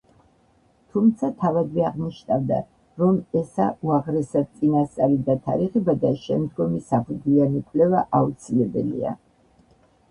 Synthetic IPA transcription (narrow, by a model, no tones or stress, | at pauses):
t̪ʰumt̪sʰat̪ʰavad̪vɛaʁniʃnavd̪a̰ | ɾɔmɛsa̰uaʁɾɛsad̪̚t̪sʼinast̪sʼaɾid̪at̪ʰa̰ɾiʁɛbad̪aʃɛmd̪ɡɔmisapʰud̪lianikʼlɛvaʔaut̪sʰilɛbɛlḭa̰